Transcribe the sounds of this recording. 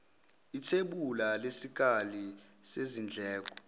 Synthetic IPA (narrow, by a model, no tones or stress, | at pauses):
itʰeɓulalesik̬ʼali | sezind͡ɮʱɛːk̬ʼɔ̥